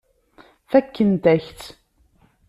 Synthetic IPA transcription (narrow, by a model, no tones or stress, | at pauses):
θækːənt̪æçt̪